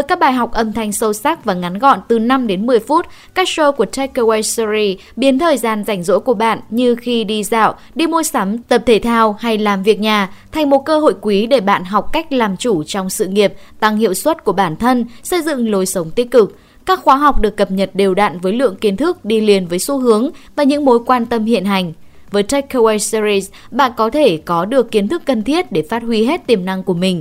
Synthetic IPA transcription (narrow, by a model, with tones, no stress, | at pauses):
əː˦jkaː˦˥k̚ɓaː˧˩jɦa˨˩wk͡p̚ʔə˧˩mt̪ʰa˧jŋ̟sə˧wsa˦˥k̚vaː˨˩ŋa˨˦nɣɔ̰˧˨nt̪ɨ˨˩na˧mɗe˨˦nmɨ˨˩əjfu˦˥t̚kaː˦˥k̚so˧ku˧˩ət̪ʰɛ˦˥kːə˧wɛ˧szi˧ | ɓi˨˦nt̪ʰəː˨˩jzaː˧˩nza˧˩jŋ̟zo̰˧˥jku˧˩əɓa̰ː˧˨nɲɨ˧xi˧ɗi˧za̰ː˧˨w | ɗi˧mu˧jsa˨˦mt̪ə˨˩p̚t̪ʰe˧˩t̪ʰaː˧wha˧jlaː˨˩mvi˨˩ək̚ɲaː˨˩t̪ʰa˨˩jŋ̟mo˨˩t̚kəː˧ɦo̰˧˨jkwi˨˦ɗe˧˩ɓa̰ː˧˨nɦa˨˩wk͡p̚ka˦˥jk̟̚laː˨˩mt͡ɕu˧˩t͡ɕɔ˧wŋ͡msɨ̰˧˨ŋi˨˩əp̚t̪a˧ŋhḭ˧əwswə˦˥t̚ku˧˩əɓaː˧˩nt̪ʰə˧nsə˧jzɨ̰˧˨ŋlo˨˧jsə˨˦wŋ͡mt̪i˦˥ət̚kɨ˨˩k̚ | kaː˦˥kxwaː˨˦ɦa˨˩wk͡p̚ɗɨ˨˩əkːə˨˩p̚ɲə˨˩t̚ɗe˨˩wɗa̰ː˧˨nvəː˨˦jlɨ̰˧˨əŋki˨˦ənt̪ʰɨ˦˥k̚ɗi˧li˨˩ənvəː˨˦jso˨˦ɦɨ˨˦əŋvaː˨˩ɲɨ̰˧˥ŋmo˨˦jkwaː˧nt̪ə˧mhḭ˧˨ənɦa˨˩jŋ̟ | vəː˨˦jt̪ʰɛ˦˥kkːo˧wa˧sɾi˧s | ɓa̰ː˧˨nkɔ˨˦t̪ʰe˧˩kɔ˨˦ɗɨ˨˩əkːi˨˦nt̪ʰɨ˦˥kːə˨˩nt̪ʰi˦˥ət̚ɗe˧˩faː˦˥t̚hwi˧ɦe˦˥t̚t̪i˨˩əmna˧ŋku˧˩əmï˨˩ŋ̟